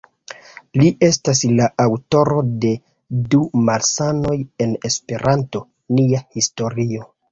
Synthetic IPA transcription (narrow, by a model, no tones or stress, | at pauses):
liʔe̞staslaʔawto̞ɾo̞de̞ | dumalsano̞je̞nespe̞ɾʔanto̞ | niahisto̞ɾio̞